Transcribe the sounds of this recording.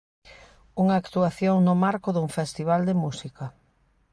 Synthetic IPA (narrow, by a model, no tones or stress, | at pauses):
uŋaːkt̪uaθjoŋnʊmaɾkʊðuŋfest̪iβald̪emusikɐ